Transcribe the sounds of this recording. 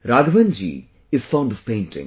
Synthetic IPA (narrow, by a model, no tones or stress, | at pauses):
ɾaːɡʋə̃nd͡ʒḭ | ɪz̥fãʊnɖɔv̥pẽɪ̃ntɪ̰̃ŋ